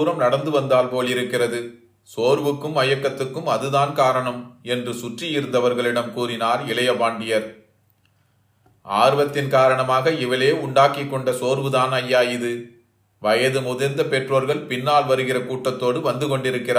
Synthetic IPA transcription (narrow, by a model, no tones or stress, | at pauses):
ɾɐmnɐɽɐnd̪ɯʋɐnd̪aːlpoːlɪɾɯkːɪrɐðɯ | soːɾʋɯkːɯmɐjɐkːɐt̪ːɯkːɯmɐðɯðaːnkaːɾɐɳɐmɛndrɯsʊʈrɪjɪɾɯnd̪ɐʋɐɾɣɐɭɪɽɐmkuːɾɪnaːɾɪɭɐjɐbaːɳɖɪjɐɾ | a̰ːɾɯʋɐt̪ːɪnkaːɾɐɳɐmaːɣɐɪʋɐleːʊɳɖaːkɪkːɔɳɖɐsoːɾʋɯðaːnɐjːaːɪðɯ | ʋɐjɐðɯmʊðɐɾnd̪ɐpɛʈroːɾɣɐɭpɪnːaːlʋɐɾɯɣɪrɐkuːʈːɐt̪ːoːɽɯʋɐnd̪ɯkɔɳɖɪɾɯkːɪraː